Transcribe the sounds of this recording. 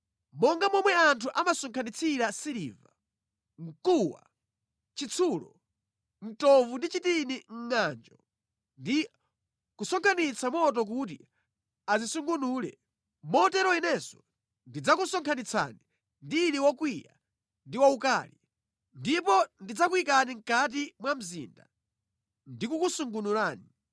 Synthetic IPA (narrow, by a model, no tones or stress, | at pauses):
mɔŋɡamɔmwɛantʰuʔamasɔŋkʰanit͡sʰiɾasiɾḭva | ŋ̩kuwa̰ | t͡ʃit͡sʰuːlɔ | m̩tɔvundit͡ʃitiniŋ̩ŋand͡ʒɔ | ndi | kusɔŋkʰanit͡sʰamɔt̬ɔk̬ut̬ḭ | azisuŋɡunuːlɛ̰ | mɔtɛɾɔinɛsɔ | ndid͡zakusɔŋkʰanit͡sʰa̰ni | ndiːliwɔkwija̰ | ndiwaukaːli | ndipɔndid͡zakwikaniŋ̩kat̬imwam̩zḭːnda̰ | ndikukusuŋɡunulaːni